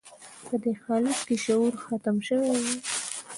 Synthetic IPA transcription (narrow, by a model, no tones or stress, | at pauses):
pəd̪exɑlɪskeʃauɾxat̪amʃəwewe